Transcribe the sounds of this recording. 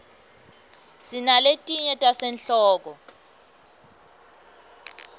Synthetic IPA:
sinaletʼiɲɛtʼasɛnɬɔːk̬ɔ

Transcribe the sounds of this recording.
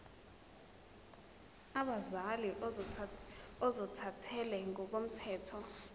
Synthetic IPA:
aɓazaliʔ | ɔzɔtʰatʰɛlɛŋɔk̬om̩tʰɛːtʰɔ

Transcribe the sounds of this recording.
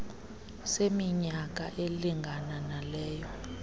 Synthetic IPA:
semiɲak̬ʼaʔeliŋɡʱananalɛːjɔ

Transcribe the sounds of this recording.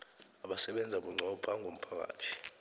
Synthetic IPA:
aɓasɛɓɛnd͡zʱaɓuŋ͡ǀʱɔb̥ʱaŋʱom̩pʰak̬a̰ːtʰi̥

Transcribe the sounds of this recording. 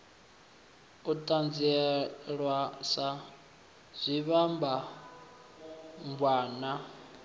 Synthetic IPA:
utʼand͡ziɛɺwasa | z̥ʷiβamba | mbwaːna

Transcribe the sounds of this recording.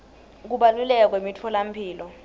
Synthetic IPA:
k̬uɓalulɛk̬ak̬wemitʰɔlam̩pʰiːlɔ

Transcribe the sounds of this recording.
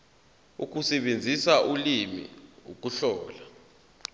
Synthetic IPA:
uk̬ʼusɛɓend͡zʱisaʔulimḭuk̬ʼuɬɔːla

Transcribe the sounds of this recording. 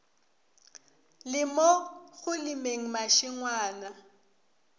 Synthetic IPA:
lɪmɔɣʊlɪmeŋ̩maʃɪŋwaːna

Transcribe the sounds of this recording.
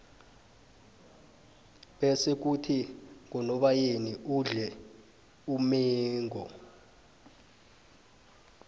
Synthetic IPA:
ɓesek̬utʰiŋɔnɔɓajeniʔuɮɛ | umɛːŋʱɔ

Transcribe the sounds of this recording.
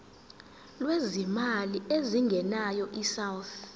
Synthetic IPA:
lwezimalieziŋɡʱɛnajɔʔisawθ

